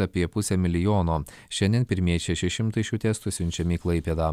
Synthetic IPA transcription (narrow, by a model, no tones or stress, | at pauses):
ɐpʲiɛpʊsʲɛmʲɪlʲɪjoːnoː | ʃʲɛnʲd̪ʲiɛnpʲɪɾʲmʲiɛʃʲɛʃʲɛʃʲɪmt̪ɐɪʃʲuːt̪ʲɛst̪usʲʊnʲt͡ʃʲɛmʲiːklˠɐɪpʲeːd̪ɐː